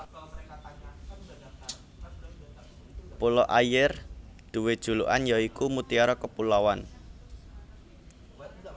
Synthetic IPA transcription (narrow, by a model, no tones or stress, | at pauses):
polɔʔajɪrd̪̥ṳwed̥ʒ̥ṳluʔanjaikumut̪iaɾɔkəpulawan